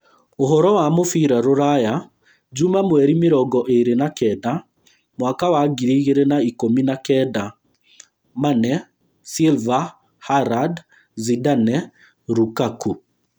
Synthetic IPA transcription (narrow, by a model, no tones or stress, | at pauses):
oɦɔɾɔwamofiɾaɾoɾaja | d͡ʒumamwɛɾimeɾɔɡɔʔeɾenakɛda | mwakawaɡiɾiɣeɾenaikominakɛda | manɛ | silva | haɾad | zidanɛ | ɾukaku